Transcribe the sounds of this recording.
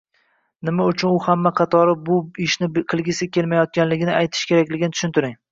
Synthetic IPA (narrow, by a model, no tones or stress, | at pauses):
nɪmaʊt͡ʃʰʊnʊhamːaqʰɑt̪ʰɒɾɪbʊɪʃnɪqʰɨlˠɡʲɪsɪkʲʰe̞lmajɒt̪̚kʲanlɪɡʲɪnɪajt̪ʰɪ̥ʃkʲe̞ɾakʲlɪɡʲɪnɪt̪ʊ̥ʃʊnt̪ɪɾɪŋ